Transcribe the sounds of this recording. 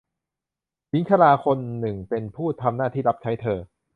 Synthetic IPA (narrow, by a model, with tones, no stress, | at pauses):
wi˦˥nkʰa˧laː˧kʰo˧nːɯ˨˩ŋpe˧npʰuː˥˩t̪ʰa˧mnaː˥˩t̪ʰiː˥˩la˦˥p̚t͡ɕʰa˦˥jt̪ʰɤː˧